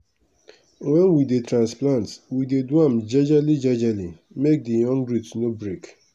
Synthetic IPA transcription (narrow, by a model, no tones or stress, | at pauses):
wɛ̃nwidetɾãnsplãntwidedwãmd͡ʒɛd͡ʒalid͡ʒɛd͡ʒali | mek̚dijɔ̃ŋɡɹutnobɹek